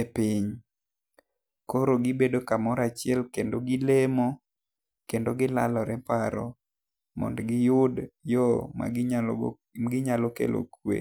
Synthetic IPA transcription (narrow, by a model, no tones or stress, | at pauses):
epiɲ | koɾoɡɪbedokamɔɾat͡ʃɪɛlkendoɡɪlemo | kendoɡɪla̰lɔɾɛpaɾɔ̰ | mɔ̰ndɡɪjʊdjɔma̰ | ɡɪɲalokḛlʔo̰kwḛ